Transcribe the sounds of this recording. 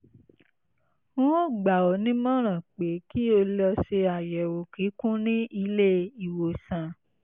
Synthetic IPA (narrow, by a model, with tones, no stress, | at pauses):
wũ˦o˦˨ɡ͡ba˨ɔ˨nĩ˦mɔ̃˦ɾ̃ã˨k͡pe˨ki˦o˧lɔ˧ʃe˧a˨jɛ˨wo˨ki˨˦kũ˦nĩ˦i˧le˦i˨wo˨sã˨